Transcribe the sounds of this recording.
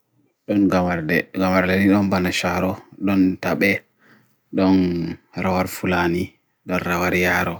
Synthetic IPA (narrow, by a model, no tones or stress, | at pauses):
ɗɔnɡamaɾdɛɡamaɾdɛniɗɔnbanaʃaɾɔɗɔntaɓɛ | ɗɔnɾawaɾfulani | ɗɔnɾawaɾjaːɾɔ